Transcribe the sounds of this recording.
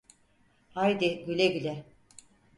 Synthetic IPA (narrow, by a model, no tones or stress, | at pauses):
hajd̪ɪɡylʲɛɡylʲɛ